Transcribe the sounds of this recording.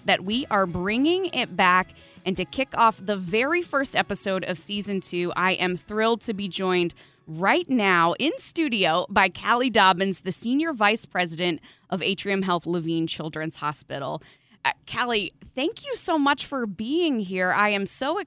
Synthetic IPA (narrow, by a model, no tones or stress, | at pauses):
ðɨʔ̚wiʔə˞bɹɪ̃ŋɪ̃ŋɪt̚b̥æk | ʔɨ̃ntɨkʰɪkɔfðəvɛɹifɜ˞stɛpɨsoʊɾʌ̰v̥sizɨ̃ntʰʉʔa̰ɪʔɨ̃mθɹɪlˠd̚tʰɨbid͡ʒɔ̃ɪ̃nd | ɹaɪtⁿnaʊʔɪ̃nstʉɾioʊbaɪkʰælˠidɑbɨ̃nzðɨsĩnjə˞vaɪspʰɹ̥ɛzɨɾɨ̃nt | ʔʌveɪtʰɹ̥iɨ̃mɦɛlˠθluvĩnt͡ʃʰɪlˠdɹɨ̃nz̥hɑspɪ̰ɾl̩ˠ | kʰælˠiθæ̃ŋkʰjɨsoʊmʌt͡ʃfə˞biɪ̃ŋɦiɹa̰ɪɨ̃msoʊ